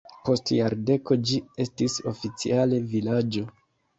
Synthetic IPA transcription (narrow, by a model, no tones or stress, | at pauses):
po̞stjaɾde̞ko̞d͡ʒie̞stiso̞fit͡sḭale̞vilad͡ʒo̞